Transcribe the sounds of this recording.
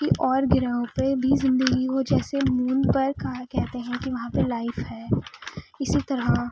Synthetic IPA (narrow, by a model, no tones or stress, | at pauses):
kiʔɔːɾɡɪɾaːõpebʱizɪ̃nd̪əɡiod͡ʒɛːsemuːnpɐɾkaɦakɛɦt̪eɦɛ̃kiʋɐɦãpelaːɪfɦɛː | ɪsit̪ɐɾa